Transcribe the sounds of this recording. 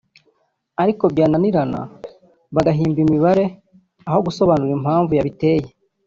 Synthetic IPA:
aɾiko̞bjaːnaniɾana̰ | βaɡaɦiːmbimiβaɾe̞ | aho̞ɡuso̞βanuɾim̥haːɱvujaβite̞ːje

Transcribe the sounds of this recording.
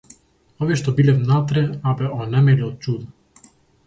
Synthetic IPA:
ɔviɛʃt̪ɔbilɛvnat̪ɾɛabɛɔnɛmɛlʲiɔt͡ʃud̪

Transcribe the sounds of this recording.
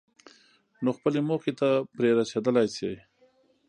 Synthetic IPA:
noxpəlemoxet̪apɾeɾat͡ʃed̪əlajsej

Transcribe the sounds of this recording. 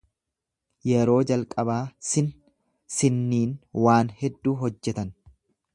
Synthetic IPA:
jɛɾo̞ːd͡ʒɐlkʼɐbaːsɪn | sɪnːiːnwaːnhɛd̪ːuːɦɔd͡ʒːɛt̪ɐn

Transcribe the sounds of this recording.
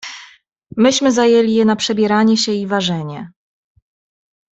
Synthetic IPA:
mɘɕmɘzajelʲijɛnapʂɛbʲjɛɾaɲɛɕɛivaʐɛɲɛ

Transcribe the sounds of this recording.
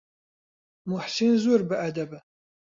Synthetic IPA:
mʊħsinzurbɨʔɐd̪ɐbɨ

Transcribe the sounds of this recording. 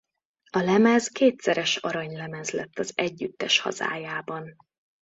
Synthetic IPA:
ɒlɛmɛzkeːt̪sɛɾɛʃɒɾɒɲlɛmɛzlɛt̪ːɒzɛɟːyt̪ːɛʃhɒ̰za̰ːjaːbɒn

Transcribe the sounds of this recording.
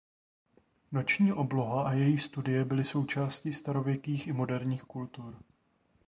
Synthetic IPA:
no̞t͡ʃɲiːʔo̞blo̞ɦaʔajɛjixst̪udɪjɛbɪlɪso̞wt͡ʃaːscist̪aɾo̞vjɛkiːxɪmo̞dɛɾɲiːxkult̪uɾ

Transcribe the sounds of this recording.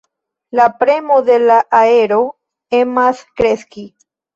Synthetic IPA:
lapɾemod̪elaʔaeɾo | emaskɾeski

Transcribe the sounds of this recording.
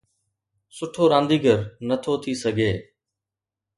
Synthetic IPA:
sʊʈʰoːɾãːnd̪iːɡʱəɾnət̪ʰoːt̪ʰiːsəɡʱeː

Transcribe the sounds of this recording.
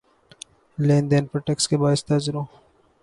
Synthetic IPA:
lẽːnd̪eːnpɾoʈekskebaːɪst̪azɪɾõː

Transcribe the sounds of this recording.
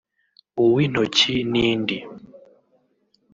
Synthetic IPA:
uwin̥ɔt͡ʃiniːndi

